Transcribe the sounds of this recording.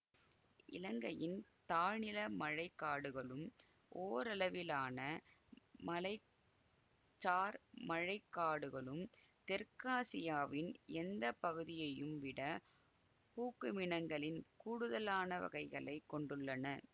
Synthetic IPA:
ʔɪ̰lɐŋɡɐjɪnt̪aːnɪlɐmɐɻɐɪkːaːɽɯɣɐɭɯm | ʔoːɾɐlɐʋɪlaːnɐ | mɐlɐɪ | t͡ʃːaːɾmɐɻɐɪkːaːɽɯɣɐɭɯm | t̪ɛɾkaːsɪjaːʋɪnɛnd̪ɐpːɐɣɯðɪjɐjɯmʋɪɽɐ | puːkːɯmɪɳɐŋɡɐɭɪnkuːɽɯðɐlaːnɐʋɐ̰ɣɐɪɣɐɭɐɪkːɔɳɖɯɭːɐnɐ

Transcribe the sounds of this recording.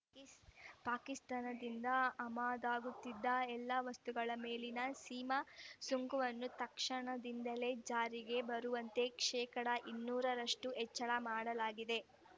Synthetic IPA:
paːkist̪aːnɐd̪ind̪ɐɐmaːd̪aːɡut̪ːid̪ːɐɛlːɐʋɐst̪uɡɐɭɐme̞ːlinɐsiːmasuŋɡuʋɐnːut̪ɐkʂɐɳɐd̪ind̪ɐle̞d͡ʒaːɾiɡe̞bɐɾuʋɐnt̪e̞kʂɛːkɐɽɐʔinːuːɾɐɾɐʂʈuʔɛt͡ʃːɐɭɐmaːɽɐlaːɡid̪e̞

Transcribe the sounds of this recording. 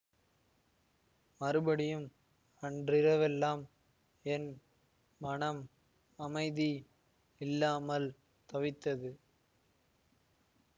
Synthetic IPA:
mɐɾɯbɐɽɪjɯm | ɐndrɪɾɐʋɛlːaːm | ɛnː | ɐnɐm | ɐmɐɪði | ɪlːaːmɐl | t̪ɐʋɪt̪ːɐðɯ

